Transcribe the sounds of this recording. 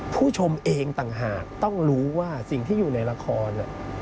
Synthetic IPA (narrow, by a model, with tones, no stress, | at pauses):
pʰuː˥˩t͡ɕʰo˧mʔeː˧ŋt̪a˨˩ŋɦaː˨˩k̚t̪ɔ˥˩ŋɾuː˦˥waː˥˩si˨˩ŋt̪ʰiː˥˩juː˨˩na˧jɾa˧kʰɔː˧nːa˨˩